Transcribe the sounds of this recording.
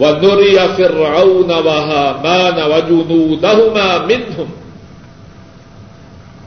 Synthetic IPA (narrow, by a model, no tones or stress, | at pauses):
wanʊɾɪjafɪɾʕawnawaɦaːmaːnawad͡ʒʊnuːd̪ahʊmaːmɪnhʊm